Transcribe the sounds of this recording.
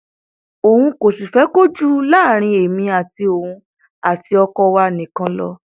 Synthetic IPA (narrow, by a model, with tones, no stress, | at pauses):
o˨hũ˧ko˨si˨fɛ˨˦ko˦d͡ʒu˦la˦˨ɾ̃ĩ˧e˨mĩ˧a˨ti˧o˨hũ˧˦ | a˨ti˧˦ɔ˧kɔ˧wa˧nĩ˨kã˧lɔ̰˧